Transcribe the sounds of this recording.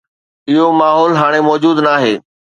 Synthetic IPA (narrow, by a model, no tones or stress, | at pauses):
ɪɦomaːɦɔːlɦaːɽ̃emɔːd͡ʑuːd̪naːɦeː